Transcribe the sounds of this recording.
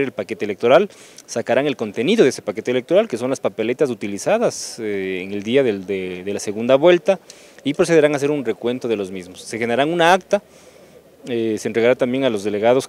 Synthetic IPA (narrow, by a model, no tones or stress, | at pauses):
ɾelpake̞t̪elek̚t̪o̞ɾalsakaɾaŋe̞lko̞nt̪e̞niðo̞ðesepake̞t̪elek̚t̪oɾalke̞so̞nlaspape̞le̞t̪asut̪ilisaðaseeŋe̞ld̪iaðed̪eðelase̞ɣund̪aβwe̞lt̪a | ipɾo̞s̬e̞ð̞e̞ɾaŋas̬e̞ɾunre̞kwe̞nt̪o̞ðe̞lo̞zmizmosːexeneɾaŋunaakt̪a | eseːnt̪ɾeɣaɾat̪ambje̞ŋalo̞zðe̞le̞ɣað̞o̞s